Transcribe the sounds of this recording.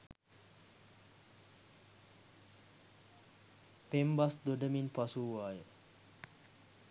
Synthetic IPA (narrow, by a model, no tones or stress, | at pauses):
pembasd̪oɖəminpasuʋaːjə